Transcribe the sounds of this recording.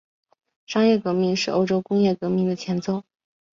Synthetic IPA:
ʂɑ˥ŋjɛ˥˩kɤ˧˥mi˧ŋʂɻ̩˥˩ʔo˥ʊʈ͡ʂo˥ʊkʊ˥ŋjɛ˥˩kɤ˧˥mi˧˥ŋd̪ə˨t͡ɕʰjɛ˧˥nt͡so˥˩ʊ

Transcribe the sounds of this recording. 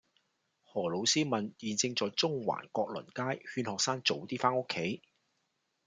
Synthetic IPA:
hɔː˨˩lo˨˧wsiː˥mɐ˨˩njiː˨nt͡sɪ˧ŋt͡sɔː˨˧jt͡sʊ˥ŋwa̰ː˨˩nkɔː˧k̚lɵ̰˨˩nkaː˥jhyː˧nhɔː˨k̚saː˥ŋt͡so˨wt̪iː˥faː˥nʊ˥kʰːe˨˥j

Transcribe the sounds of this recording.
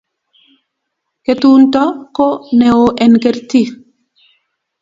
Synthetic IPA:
ke˨tu˦ntɔ˦ko˦nɛ˨o˨ʔɛ˨nke˨ɾti˦

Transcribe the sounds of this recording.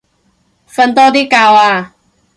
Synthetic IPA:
fa˧nt̪ɔː˥t̪i˥kaː˧waː˧

